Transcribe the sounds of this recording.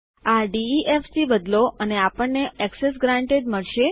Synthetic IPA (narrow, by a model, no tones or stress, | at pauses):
aɖiiʔefsibəd̪loʔəneapəɳːeɛksesɡɾãɳʈeɖ̪məɭʃe